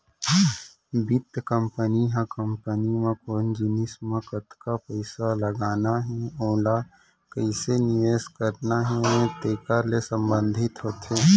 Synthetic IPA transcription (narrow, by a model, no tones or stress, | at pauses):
bɪt̪kə̃mpəniɦãkə̃mpənimãkoːnd͡ʒɪnɪsmẽkət̪kapəɪsaləɡaːnaɦɛoːla | kəɪsenijeːskəɾnaɦɛt̪eːkalesə̃mbə̃nd̪ʱɪt̪ɦoːt̪eː